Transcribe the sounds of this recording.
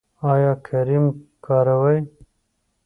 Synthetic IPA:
aːjɑːkʰɐɾimkɑːɾɐwɐj

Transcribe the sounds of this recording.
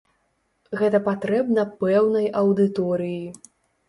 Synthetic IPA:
ɣɛt̪ɐpat̪ɾɛbnɐpɛwnɐjɐwd̪ɨt̪ɔɾɨji

